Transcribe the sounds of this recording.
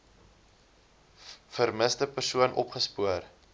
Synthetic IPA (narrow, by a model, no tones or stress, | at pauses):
fərməsdəpərsuənʔɔ̰pχəspuər